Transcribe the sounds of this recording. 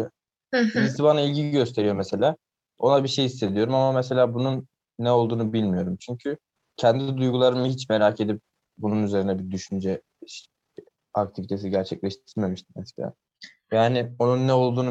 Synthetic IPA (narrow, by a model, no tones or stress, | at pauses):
iit̪ibanailʲɟiɟø̞st̪ʰe̞ɾijo̞mese̞lʲaː | o̞nabiɾʃe̞jisːe̞d̪ijo̞ɾumamamɛse̞lʲaːbununː | ɛo̞lˠd̪uːnubilʲmijo̞ɾumt͡ʃʰyɲcʰy | cʰɛnd̪id̪ujɡulˠaɾɯmɯɦit͡ʃmeɾaːcʰe̞d̪ip̚ | bununyze̞ɾinɛbid̪yʃynd͡ʒɛ | ʃ | ak̚t̪ʰivit̪ʰe̞siɟæɾt͡ʃʰɛclʲɛʃt̪iɾme̞miʃt̪̚ʰimɛse̥lʲa̰ː | jaːnɪo̞nunːɛo̞lˠd̪uːn